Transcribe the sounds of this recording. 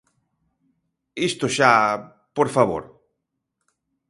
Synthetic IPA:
ist̪oʃa | poɾfaβo̰ɾ

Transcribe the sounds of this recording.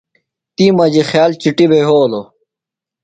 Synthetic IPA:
t̪imɐd͡ʑixjaːlt͡ɕiʈibeɦoːlo

